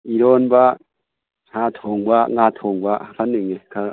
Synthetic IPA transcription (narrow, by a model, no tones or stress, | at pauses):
iɾonba | hatʰoːŋɡwaŋɡatʰoːŋɡwaakʰaneŋekʰa